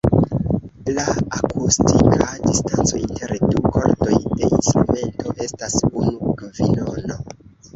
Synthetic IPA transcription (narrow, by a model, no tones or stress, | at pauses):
laakʰustikʰadistant͡so̞intʰe̞ɾduko̞ɾto̞jde̞instɾume̞ntʰo̞ʔe̞stasunuɡavilono̞